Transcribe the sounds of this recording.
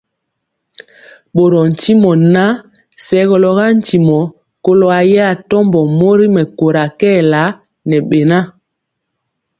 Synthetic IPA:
ɓo˨ɾɔ˨n̩˨ti˦mɔ˨na˦ | sɛ˦ɣɔ˨lɔ˨ɣa˦n̩˨ti˨mɔ˨ | ko˦lo˨a˨ja˦˨tɔ˦mbɔ˨mo˦ɾi˦mɛ˨ko˨ɾa˨kɛ˦la˨˦ | nɛ˨ɓe˨na˦

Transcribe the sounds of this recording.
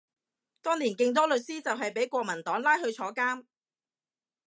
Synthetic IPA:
t̪ɔː˥ŋliː˨˩nkɪ˧ŋt̪̬ɔː˥lɵ˨t̚siː˥t͡sɐ˨wɦɐ˨jpe˨˥jkʷɔː˧k̚mɐ˨˩nt̪ɔː˨˥ŋlaː˥jhɵ˧ɥt͡ʃʰɔː˨˥kaː˥m

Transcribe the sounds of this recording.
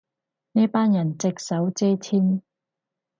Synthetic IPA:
niː˥paː˥njɐ˨˩nt͡sɪ˨k̚sɐ˨˥wt͡sɛː˥t̪ʰiː˥n

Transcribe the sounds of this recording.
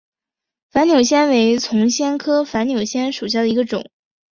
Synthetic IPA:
fa˧˥njo˨˩ʊɕ̬jɛ˥nwe˧˥ɪt͡sʰʊ˧˥ŋɕjɛ˥nkʰɤ˥fa˧˥nnjo˨˩ʊɕjɛ˥nʂu˨˩ɕ̬ja˥˩d̪ə˩i˧˥ɡə˧ʈ͡ʂʊ̰˨˩˦ŋ

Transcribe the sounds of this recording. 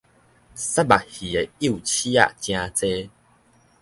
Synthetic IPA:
sa˦ba˨hi˨˩e˨i˦u˨t͡ɕi˦a̰˦˧˨ʔt͡ɕj̃ã˧t͡se˦

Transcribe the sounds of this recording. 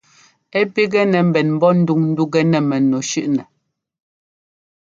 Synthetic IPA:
ɛ˦pi˦ɡɛ˦nɛ˨m̩˦bɛ˨nm̩˦bɔ˦n̩˦du˦˨ŋn̩˦du˦ɡɛ˦nɛ˨mɛ˨no˨ʃʉ˦ʔnɛ˨

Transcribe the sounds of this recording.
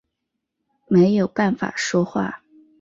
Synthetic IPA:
me˧˥ɪjo˨˩ʊpa˥˩nfa̰˨˩ʂwɔ˥xwa̰˥˩

